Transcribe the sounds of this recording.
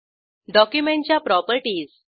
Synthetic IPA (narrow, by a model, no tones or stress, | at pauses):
ɖɔkjumeɳʈt͡ɕjapɾɔpəɾʈiːz